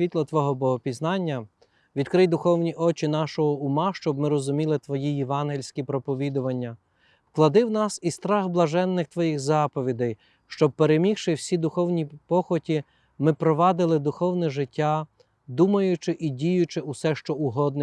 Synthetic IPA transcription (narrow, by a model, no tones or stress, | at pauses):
ʋʲit̪lˠɔt̪ʋɔɦɔbɔɦɔpʲiznɑnʲːɐ | ʋʲid̪kɾɪjd̪ʊxɔwnʲiʔɔt͡ʃɪn̪ɑʃɔɦɔʊmɑʃt͡ʃɔbmɪɾɔzʊmʲilˠɪt̪ʋɔjijɛʋɑnɦilʲsʲkʲipɾɔpɔʋʲid̪ʊʋɐnʲːɐ | wklˠɐd̪ɪwnɑsist̪ɾɑɣblˠɐʒɛnːɪxt̪ʋɔjixzɑpɔʋʲid̪ɐj | ʃt͡ʃɔb̚peɾemʲixʃɪwsʲid̪ʊxɔwnʲipɔxɔtʲi | mɪpɾɔʋɑd̪ɪlˠɪd̪ʊxɔwnɛʒɪtʲːa | d̪umɐjʊt͡ʃɪʔidʲijʊt͡ʃɪʊsɛʃt͡ʃɔʊɦɔd̪̚nɛ